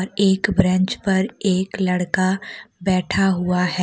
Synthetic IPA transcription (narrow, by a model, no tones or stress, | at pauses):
ɾeːkbɾə̃ɲt͡ʃpɐɾeːklɐɽkabɛːʈʰaɦuaɦɛː